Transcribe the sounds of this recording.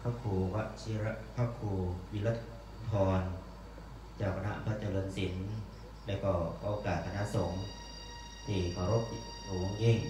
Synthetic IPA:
kʰaː˥˩kʰuː˨˩wa˧˥ʔt͡ɕʰi˧ɾa˧˥pʰa˦˥kʰuː˧˩wi˧˥la˦˧˥t̪ʰ | p̪ʰɔː˧n | t͡ɕaː˨˩k̚ʰa˧na̰˦˧˥ʔa̰˧mpʰa˧˥t͡ɕa˧lɤː˧nsi˩˦n | lɛː˧˥˩wkɔː˧˩ɔ˧o˧kaː˨˩t̪̚ʰːa˧na˧˥˨so˨˩˦ŋ | t̪ʰiː˧˩kʰaː˧˩ɾo˦˥p̚ːi˧ | uː˨˩o˧˥˧ŋji˧˥˩ŋ

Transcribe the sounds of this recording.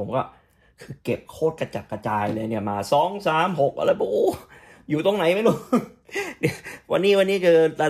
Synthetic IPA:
o˩˦mkɔː˥˩ | kʰɯː˧ke˨˩p̚kʰoː˥˩t̪̚ka˧t͡ɕa˨˩kːa˧t͡ɕaː˧jlɤː˧ni˥˩ɐmaː˧sɔː˨˦˥ŋsaː˨˩˦mɦo˨˩k̚ʔa̰˧la˧˩pu˧ʔ | juː˨˩t̪o˧ŋna˨˦jma˥˩jluː˨˧˩ | ni˧˩wa̰˧nːiː˦˥˩wa˧nːiː˦˥kʰɯː˧la˧

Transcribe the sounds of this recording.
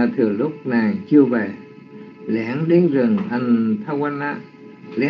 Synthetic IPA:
a˨˩t̪ʰɨ˨˩əlʊ˦˥k͡p̚naː˨˩ŋt͡ɕɨ˧əvɛ˨˩ | lɛ˧˦nɗi˨˦nzɨ˨˩ŋʔa˧jŋ̟t̪ʰa˧wa˧nʔaː˧˥ | lɛ˨˧˦

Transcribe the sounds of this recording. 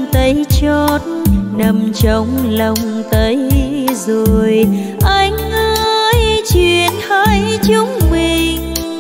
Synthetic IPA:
t̪ə˨˦jt͡ɕɔ˧˦t̚nə˧˩mt͡ɕə˨˦wŋ͡mlə˧˩wŋ͡mt̪ə˨˦jzo˨˩j | ʔa˧jŋ̟ʔəː˧jt͡ɕwi˧˨ənha˧˥jt͡ɕʊ˧˦ŋ͡mmi˨˩ŋ

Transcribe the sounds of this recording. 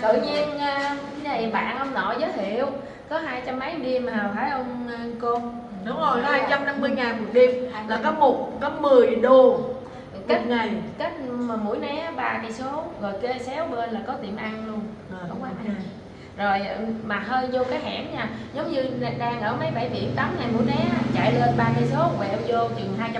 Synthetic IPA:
t̪ɨ̰˧˨ɲi˧ənʔaː˧ | ɲa˨˩jɓa̰ː˧˨nhə˧wŋ͡mnɔ̰˧˨zəː˨˦jt̪ʰḭ˧˨əw | kɔ˨˦ɦaː˧jt͡ɕa˧mːə˨˦jɗi˧maː˨˩faː˧˩jʔə˧wŋ͡m | ko˧n | ɗʊ˨˦ŋ͡mo˨˩jhaː˧˩jt͡ɕa˧mna˧mːɨ˧əjŋaː˨˩nmu˨˩k̚ɗi˧mlaː˨˩kɔ˨˦mo˨˩t̚kɔ˨˦mɨ˨˩əjɗu˨˩ | ka˦˥t̚ŋa˨˩jka˦˥t̚ma˨˩mṵ˧˥əjnɛ˨˦˥ɓaː˧ka˧˩jso˨˦zo˨˩jke˨˦sɛ˨˦wɓəː˧nlaː˨˩kɔ˨˦t̪ḭ˧˩əmʔa˧nlu˧ən˨˩ | kɔ˨˦kwaː˨˦˧a˨˩j | zo˨˩jma˨˩həː˧jzo˧kaː˨˦jɦa̰ː˧˩nɲaː˧˩zə˨˦wŋ͡mɲɨ˧˨˩ɗaː˧ŋʔəː˧˩maə˨˦jɓa˧˩jɓḭ˧˩əmt̪aː˨˦mŋa˨˩jmṵ˧˥˦jnɛ˨˦a˨˦t͡ɕa̰ː˧˨jle˧nɓaː˧ka˧˩jso˨˦˧kwɛ̰˧˩˧zo˧t͡ɕwḭ˨nɦaː˧jt͡ɕa˧

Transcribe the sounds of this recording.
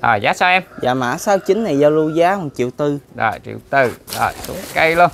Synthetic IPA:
ɗɔː˨˩jza̰ː˨˦saː˧wʔɛ˧mza̰ː˧˨ma̰ː˧˥saː˧wt͡ɕï˨˦ŋ̟na˨˩jzaː˧wlu˧zaː˨˦hɔ˨˩ŋt͡ɕḭ˧˨əwt̪ɨ˧ɗɔː˨˩jt͡ɕḭ˧˩əwt̪ɨ˨˧˩ɗɔː˨˩jsu˨˦kə˧jlu˧ən

